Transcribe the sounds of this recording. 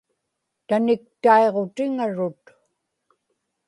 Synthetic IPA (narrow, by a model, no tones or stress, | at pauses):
t̪anɪk̚t̪aeʁo̞t̪ɪŋaɻʊt̪